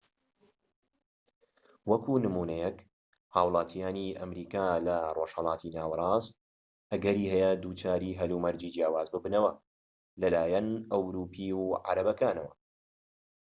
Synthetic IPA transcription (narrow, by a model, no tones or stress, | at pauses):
wɐkʰuːnɨmuːnɛjɛk | haːwlˠɑːt̪ʰijaːniʔɐmɾiːkaːlɐroʃhɐlˠɑːt̪ʰinaːwɐɾˤɑːs | ʔɐɡɐɾiːhɛjɛd̪uːt͡ʃaːɾiːɦɐlumɐɾd͡ʒiːd͡ʒjaːwaːzbɨbnɐwɐ | lɐlaːjɐnʔɐwɾuːpʰiːwʕa̰ɾɐbɐkaːnɐwɐ